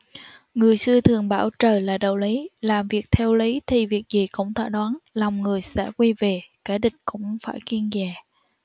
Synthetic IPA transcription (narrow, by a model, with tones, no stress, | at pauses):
ŋɨ˨˩əjsɨ˧ət̪ʰɨ˨˩əŋɓaː˧˩wt͡ɕəː˨˩laː˨˩ɗə˧˨˩wli˨˦laː˨˩mvi˨˩ək̚t̪ʰɛ˧wli˨˦t̪ʰi˨˩vi˨˩ək̚zi˨˩kʊ̰˧˥ŋ͡mt̪ʰa̰ː˧˥˩ɗwaː˨˦nlɔ˨˩wŋ͡mŋɨ˨˩əjsɛ̰˧˥kwi˧ve˨˩kaː˧˥˩ɗï˨˩ŋ̟kʊ̰˧˥ŋ͡mfa̰ː˧˩jki˧ənzɛː˨˩